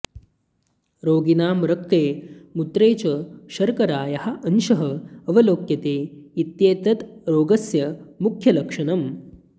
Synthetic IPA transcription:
ɾoːɡinaːmɾɐk̚t̪eːmut̪ɾeːt͡ʃɐʃɐɾkɐɾaːjɐhɐʔɐnʃɐɦɐɐʋɐloːkjɐt̪eːit̪jeːt̪ɐt̪ɾoːɡɐsjɐmukʰjɐlɐkʂɐnɐm

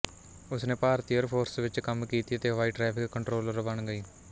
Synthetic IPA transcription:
ʊsnẽːpaːɾt̪iːjəɾpʰoːɾsʋɪt͡ʃkəmkiːt̪iːət̪eːʋaːiːʈɾɛːpʰɪkkːəɳʈɾoːləɾbəɳɡəiː

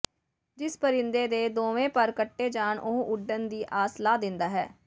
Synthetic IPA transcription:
d͡ʒɪspəɾɪnd̪eːd̪eːd̪oːʋẽːpəɾkəʈːeːd͡ʒaːɳʔoɦʔʊɖənd̪iːʔaːslaːd̪ɪnd̪aːɦɛ̰ː

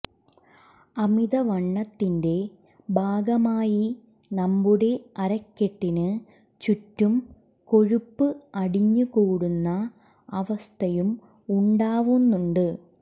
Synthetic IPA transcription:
ɐmiðɐʋɐɳːɐt̪ːinde̞ | bʱaːɡɐmaːji | nɐmbuɽe̞ɐɾɐkːeʈːinɨ | t͡ɕutːum | ko̞ɻupːɨɐɽiɲːukoːɽunːɐː | ʋɐst̪ʰɐjum | uɳɖaːʋunːuɳɖɨ

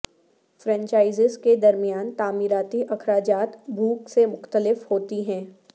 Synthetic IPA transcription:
fɾɛ̃ːɲt͡ʃaːɪzɪzked̪ɐɾmijaːnt̪aːmiːɾaːt̪iʔɐkʰɾaːd͡ʒaːt̪bʱuːksemʊxt̪əlɪfhoːt̪iɦɛ̃ː

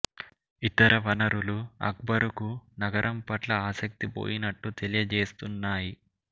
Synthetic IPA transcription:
it̪ɐɾɐʋɐnɐɾuluɐ̰k̚bɐɾukunɐɡɐɾʔɐmpɐʈlɐaːsɐk̚t̪ipo̰ːjinɐʈːut̪elijɐd͡ʒeːst̪unːaːji

